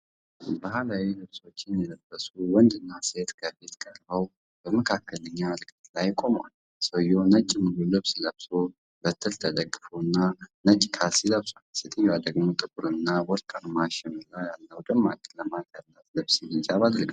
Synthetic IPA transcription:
bahalawilɨβso̞t͡ʃːɪnjɛləbːəsuwɔnd̪ɨnːase̞t̪kʰəbet̪kʼəɾbəw | bəməkʰakːələɲːalkʰʼt̪lajkʼo̞mwa̰l | səjonət͡ʃʼːmɨlulɨβsləβso | bət̪ʰːɨlt̪ʰəd̪əɡːɨfuɨnːanət͡ʃʼkʰasiləβsʼalset̪ʰəɲːwad̪əɡmot̪ʼɨbuɾɨnːawɔlkʼanmaʃɪnɨlːajalːəwd̪ɨmːalkʼləmak̪alːət̪lɨβsinid͡ʒaβad̪ɾəɡ

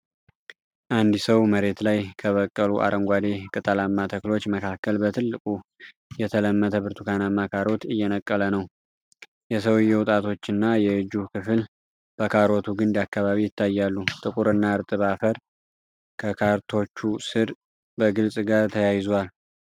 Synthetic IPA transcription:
ʔand̪ɨsəwməɾe̞t̪lajkʰəβəkʼːəluʔa̰ɾəŋɡʷad̪ekʼɨt̪ʼəlamːat̪ʰəklo̞t͡ʃːməkʰakʰːəlbət̪ʰɨlːɨkʼu | jɛt̪ʰələmːət̪ʰəβɨɾt̪ʰukʰanamːakʰaɾo̞t̪ɨjːɛnəkʼːələnəw | jɛsəwjːɛwʊt̪ʼat̪ʰo̞t͡ʃːɨnːajɛɨd͡ʒukʰɨfɨl | b̥əkʰaɾo̞t̪ʰuɡɨnd̪akːaβaβijɪt̪ʰːajːalːut̪ʼɨkʼuɾɨnːaɨɾt̪ʼɨβafəɾ | kʰəkʰaɾt̪ʰo̞t͡ʃːusɨɾ | bəɡɨlsʼɡaɾt̪ʰəjajɪzwal

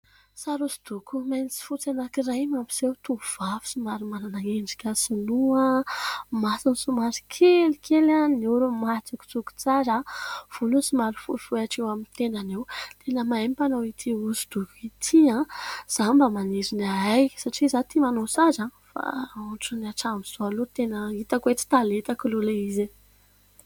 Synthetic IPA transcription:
saɾuzid̪̥ukumajnt͡si̥fut͡sanakiɾajmampi̥sewt̪uv̥afu̥simaɾimananaŋeɳɖ͡ʐikʲəsunuə | masinsumaɾi̥kʰelikʰelaniuɾumat͡suku̥t͡suku̥t͡saɾav̥ulusumaɾifṵfuaʈ͡ʂewamint̪enanewt̪ʰenəmaempanowit̪ʰiuzud̪̥ukuit̪ʰiãz̥ambəmaniɾinaajsaʈ͡ʂizat̪imanosazãfa̰uʈ͡ʂunaʈ͡ʂamiz̥oalut̪enəit̪akuet͡s̪i̥t̪alet̪akululaize

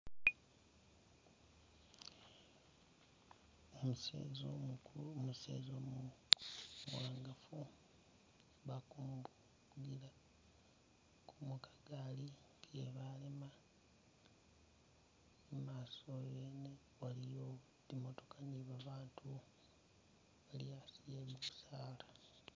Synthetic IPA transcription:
omusḛzoomusḛːzomu | waːŋɡafu | βakumb | ɡila | kʰumukḁɡali | keβalema | emaːsojeːne | walijo̞ | dimoto̞kaniβaβaːntʰu | βaliasijemuβusaːlḁ

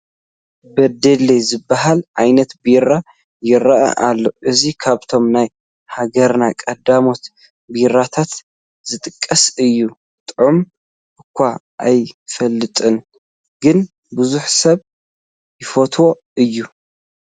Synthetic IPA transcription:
bɐd̪elezɨbːaɦalʔajnɐt̪biɾa | jɪɾɐʔa̰ʔalːo̞ʔɨzikʰaβt̪ʰo̞mnaj | haɡɐɾnakʼɐd̪amo̞t̪ | biɾat̪ʰat̪ | zɨt̪ʼɨkʼːɐsɨjːu | t̪ʼʕum | ʔɨkʷʰːa | ʔajfɐlːɨt̪ʼɨn | ɡɨn | bʊzuħsɐβ | jɪfot̪ʰwo̞ | ɨjːu

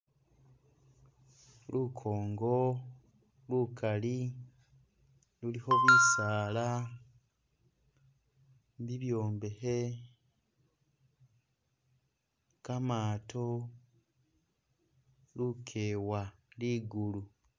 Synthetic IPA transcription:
lukʰoːŋɡo̞ | lukʰali | luliho̞βwiːsaːla | βiβjoːmbe̞he | kamaːto | lukʰeːwaliɡulu

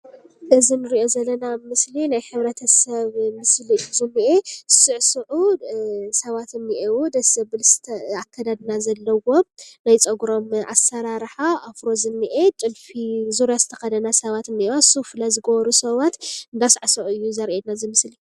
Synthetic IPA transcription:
ɨzinɨɾiʔo̞zɐlːɐnamɨslinajħɨβɾɐt̪ʰɐsɐβmɨsliɨjuzɨmːiʔesɨʕsɨʕu | sɐβat̪ɨnːiʔewud̪ɐsɐbɨlst̪ʰɐakʰːɐd̪ad̪nazɐlːɐwo̞mnajt͡sʼɐɡɾo̞mʔa̰sɐɾaɾħaʔafɾo̞zɨnːiʔe̞t͡ʃʼɨnfizuɾjazɨt̪ʰɐ̥xɐd̪ɐnasɐβat̪ɨnɨwosufɨlazɨɡɐβɐɾusɐβat̪ɨnd̪asʕsɐʔɨjːuzɐɾʔenazɨmɨsli

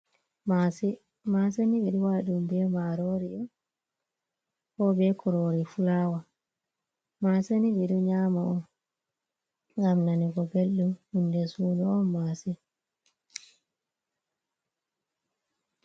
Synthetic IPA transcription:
masi | mas̬eniɓiɗuwaɗumbɛmaɾɔɾiɔ | kɔbɛkɔɾoɾifulawa | masenibiɗuɲamaɔn | ɡamnaniɡɔbelɗumhindɛsuːnɔɔnːasɛ

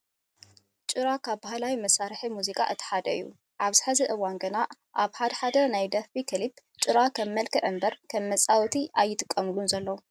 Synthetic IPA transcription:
t͡ʃʼɨɾakʰaβbahlawimɐsːaɾħimuzikʼa̰ʔɨt̪ʰːɨ̥ħad̪ɐɨjːṵ | ʔaβz̥ɨ̥ħazɐʔɨwanɡɨna | ʔaβħad̪ɐħad̪ɐnajd̪ɐfikʰɨlib | t͡ʃʼɨɾakʰɐmːɐlkʰɨʕɨmbɐɾkʰɐmːɐt͡sʼawt̪ʰiʔajːɪt̪ʰʼɨkʼːɐmɨlunzɐlːɐwu

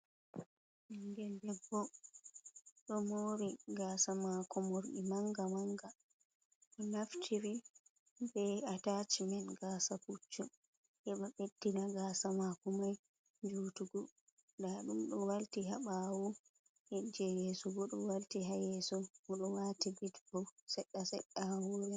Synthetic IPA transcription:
ʔiŋɡɛldɛbːɔ | ɗɔmoːɾiɡaːsamakɔmoɾɗimaŋɡamaŋɡa | ɗɔnaftʰiɾi | bɛatat͡ʃimɛnɡaːsaput͡ʃːu | ʔɛɓaɓedːinaɡasamakɔmaj | d͡ʒutuɡɔ | ndaɗumɗɔwaltiɦaɓawu | hɛd͡ʒɛjɛːsɔɡɔɗɔwaltiɦajɛsɔmɔɗɔwaːtibitbɔwsɛɗːasɛɗːawuɾɛ

